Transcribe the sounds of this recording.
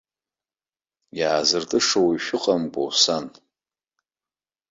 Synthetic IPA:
jaːzɨrtʼɨʂowiʃᶣʊqʼamkʼo̰wsan

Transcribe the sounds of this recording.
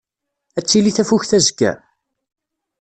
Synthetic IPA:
æt͡sːiliθæfuçθæzəɡæ̰

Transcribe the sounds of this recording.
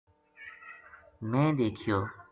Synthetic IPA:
mẽːd̪eːkʰijoː

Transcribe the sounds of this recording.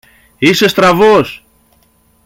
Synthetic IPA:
ise̞st̪ɾɐvos

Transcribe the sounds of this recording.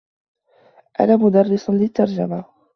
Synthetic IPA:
ʔa̰naːmʊd̪ɑrˤːɪsˤnlɪt̪ːɑɾˤd͡ʒama

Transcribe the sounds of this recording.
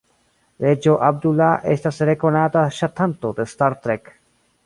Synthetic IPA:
ɾed͡ʒoʔɐb̚d̪ulːaʔest̪ɐseɾekonaːt̪aʃɐt̪ʰːɐnt̪ot̪est̪aɾt̪ɾek

